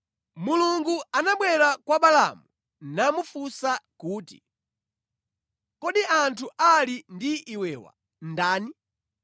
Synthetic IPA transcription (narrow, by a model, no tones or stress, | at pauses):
muluŋɡuanaɓwɛɾakwaɓala̰mu | namufusakuːti̥̰ | kɔɗiantʰuʔalindiʔiwɛːwa̰ | ndaːni